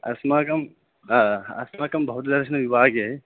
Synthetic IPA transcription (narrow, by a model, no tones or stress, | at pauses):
ɐ̰smaːkɐmː | ɐ̰smaːkɐmbɐɦut̪d̪ɐɾʃɐnɐʋibʱaːɡeː